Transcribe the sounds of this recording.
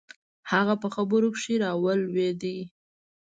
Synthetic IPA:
haɣapəxabəɾokʂiɾɑwəlwed̪i

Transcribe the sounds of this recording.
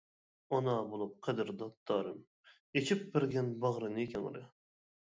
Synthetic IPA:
onɑbolˠup̚qʰɛd̪ɪɾd̪ɑt̪ːɑːɾɨm | et͡ʃʰip̚bɪɾɡʲɛnbɑʁɾɨnɨekʲʰɛŋɾɨ̰

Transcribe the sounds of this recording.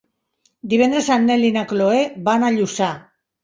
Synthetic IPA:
d̪iβend̪ɾesanːelinakloebanaʎusa

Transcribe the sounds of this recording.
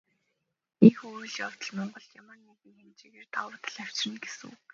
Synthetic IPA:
ixŭɮjaw̥t̪ə̆ɮmɔɴɢɞ̆ɮjamanipixent͡ɕiɣeːrt̪ʰawət̪ə̆ɮæw̥t͡ɕrə̆nɡesɘ̰̆ŋ

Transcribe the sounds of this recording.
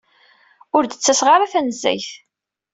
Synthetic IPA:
ʊɾd̪ət͡sːæsʁaɾæθænəzːæ̰jθ

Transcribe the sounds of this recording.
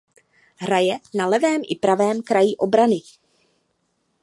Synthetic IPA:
ɦɾajɛnalɛvɛːmʔɪ̰pɾavɛːmkɾajɪʔo̞bɾanɪ

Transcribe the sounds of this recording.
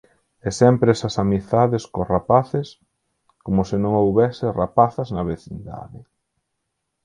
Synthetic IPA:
ɛsɛmpɾɛsɐsamiθaðeskorapaθɪs | komʊsɪnõŋowβɛsɪrapaθɐznɐβeθind̪a̰ðɪ

